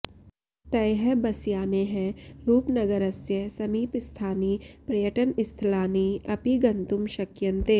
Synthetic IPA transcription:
t̪ɐjɦəbɐsjaːneɦɛ̃ɾuːpnɐɡəɾəsjəsɐmiːpɪst̪ʰaːniːpɾɐjəʈənɪst̪ʰlaːniɐpiɡɐ̃nt̪ʊmʃɐkjɐ̃nt̪e

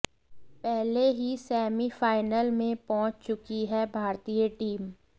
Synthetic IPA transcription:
pɛɦleɦisɛːmifaːɪnəlmẽpɔ̃ːʊ̃t͡ʃt͡ʃʊkiɦɛbʱaːɾt̪iːjəʈiːm

